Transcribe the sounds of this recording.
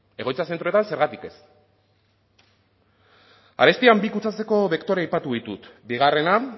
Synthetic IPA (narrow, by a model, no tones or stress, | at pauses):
e̞ɣo̞jt͡sas̬e̞nt̪ɾo̞t̪anse̞ɾɣat̪ike̞s | a̰ɾe̞st̪iambikut͡sat͡se̞ko̞βekt̪o̞ɾeajpat̪uðit̪ut̪biɣ̞are̞na